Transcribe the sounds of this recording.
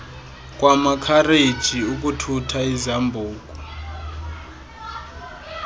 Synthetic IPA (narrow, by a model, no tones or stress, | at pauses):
k̬ʼwʔamakʰared̥ʒ̥ʱiuk̬ʼutʰutʰaizambʱuːk̬ʼu